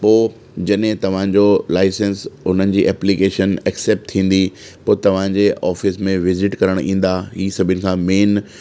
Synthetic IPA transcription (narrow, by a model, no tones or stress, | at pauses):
poː | d͡ʑɐɗɦɪ̃t̪ɐʋ̤ãːɲd͡ʑolaːɪsənsʊn̤ənɪ̆d͡ʑiːʔɛːplikeːʃənɛkseːp̚ʈ̚t̪ʰĩːn̆d̪i | poːt̪ɐʋ̤ãɲd͡ʑeʔɔːfɪsmẽʋɪzɪʈkɐɾəɽ̃ĩːn̆d̪aɦiːsɐbʱɪənɪ̆kʰãːmeːn